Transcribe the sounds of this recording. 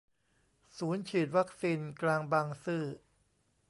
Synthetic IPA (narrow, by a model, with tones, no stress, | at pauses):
suː˩˦nt͡ɕʰiː˨˩t̪̚wa˦˥k̚siː˧nklaː˧ŋbaː˧ŋsɯː˥˩